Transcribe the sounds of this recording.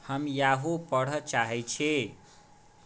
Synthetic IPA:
həmjaɦupʌɽ̤ʌt͡ʃaɦet͡ʃʰe

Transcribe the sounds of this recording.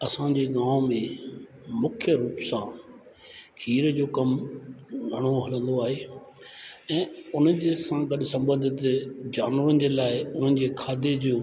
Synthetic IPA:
ɐsãd͡ʑeːɡãːmmẽ | mʊkʰjəɾuːpsã | kʰiːɾd͡ʑoːkɐm | ɡʱɐɽ̃oɦɐlə̃nd̪oaːɦeː | ɛ̃ːʊn̤əd͡ʑesãɡɐɗɪsɐ̃mbə̃nd̪ɪt̪d͡ʑaːnʋən̆d͡ʑelaːɪʊn̤ən̆d͡ʑeːkʰaːd̪ed͡ʑõː

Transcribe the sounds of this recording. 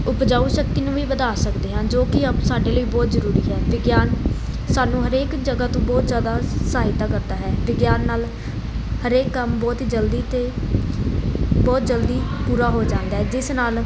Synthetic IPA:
ʊpd͡ʒaːuːsəkt̪iːnũːʋiːbəd̪aːsəkd̪eːɦãːnd͡ʒoːkɪapsaːɖeːləiːbɔːt̪zəɾuːɾiːɦɛːʋɪɡjaːn | saːnũːɦəɾeːkd͡ʒəɡaːt̪õːbɔːt̪zjaːd̪aːsaːɦɪt̪ːaːkəɾd̪aːɦɛːʋɪɡjaːnːaːl | həɾeːkːəmbɔːt̪ːd͡ʒəld̪iːt̪eː | bɔːt̪̚d͡ʒəld̪iːpuːɾaːɦoːd͡ʒãːnd̪aːɦɛːd͡ʒɪsnaːl

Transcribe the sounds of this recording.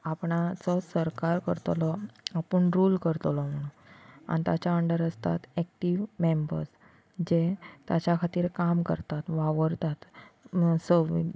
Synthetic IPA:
apɳat͡sɔsəɾkaɾkəɾt̪lɔapəɳɾulkəɾt̪lɔm̤əɽ̃una̰nit̪at͡ɕjaəɳɖəɾəst̪a̰t̪ɛk̚ʈiʋmembə̰ɾs | d͡ʑet̪jat͡ɕjakʰat̪iːɾkamkə̰ɾt̪at̪ʋaʋəɾt̪at̪ | səʋḭ

